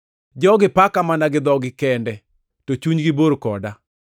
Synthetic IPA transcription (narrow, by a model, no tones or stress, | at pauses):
d͡ʒɔɡɪpakamanaɡɪd̪ɔɡɪkɛndɛ | tot͡ʃuɲɡɪboɾkɔda